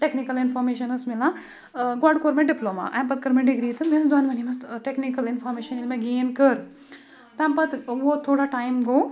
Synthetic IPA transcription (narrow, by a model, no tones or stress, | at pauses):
ʈeknikɐlɪnfɔɾmeːʃɐnɐsmila | ɡɔɖkoːɾmẽɖɪploma̰ʔa̰mpɐt̪̚kɐɾmẽɖiɡɾiːt̪ʰɨmensd̪uaːnʋɐnimɐst̪ʈeknikɐlɪnfoːɾmeːʃɐnilmẽɡeːnkəɾ | t̪ampɐt̪ʋot̪ʰːoːɽaʈaːjmɡoː